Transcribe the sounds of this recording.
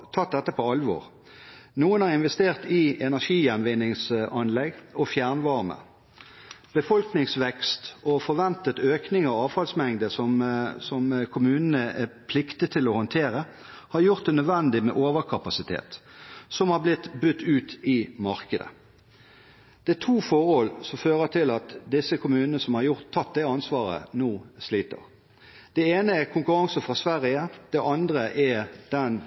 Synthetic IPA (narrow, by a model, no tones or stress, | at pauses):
t̪ʰɑt̪̚d̪ɛt̪ːəpʰɔɑlʋo̰ːʁ | nuːənhɑʁɪnʋɛst̪eːʁt̪ɪɛnæʂiːjɛnʋɪnɪŋsʔɑnlɛɡɔfjæʁnʋɑʁmə̰ | b̥əfɔlknɪŋsʋɛkst̪ɔfɔʁʋɛnt̪ət̪øːknɪŋəɔɑːʋfɑlsmɛŋd̪əsɔmsɔmkʰʊmʉːnənəʔæpʰlɪkt̪ət̪ʰɪlɔhɔnt̪ʰeːɾə | hɑɾjʊʁt̪̚d̪ɛnœd̪ʋɛnd̪ɪmɛ̰ʔoːʋəkʰɑpɑsɪt̪ʰḛːt̪sɔmhɑblɪt̪bʉt̪ːʉːt̪ɪmɑɾkəd̪ə̰ | d̪̥ɛæt̪ʰuːfoːʁɔlsɔmføːʁət̪ʰɪlɑt̪d̪ɪsːəkʊmʉːnənəsɔmhɑɾjʊʁt̪ʰːɑt̪̚d̪ɛɑnsʋɑːʁə̰nuːsliːt̪ə̰ʁ | d̪̥ɛeːnəækʰʊŋkʉɾɑŋsəfʁɑsʋæɾɪəd̪̥ɛʔɑnd̪ʁəʔɛd̪̥ɛn